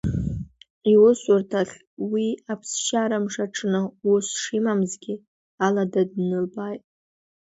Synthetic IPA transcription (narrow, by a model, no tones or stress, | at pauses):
iwʊsʊrtʰaɬʲ | wiapʰsʃaɾamʂaʈ͡ʂʰnɨusʂimamzɡʲɪ | aladadnɨlbajtʼ